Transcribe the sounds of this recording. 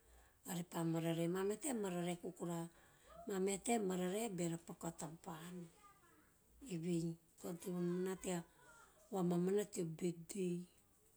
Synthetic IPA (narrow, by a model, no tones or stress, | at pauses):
aɾepamaɾaɾemameatemaɾaɾekukuɾamameatemaɾaɾeabeɾapakatapan | eβij | koɾtimammanatia | wamamanatiobedej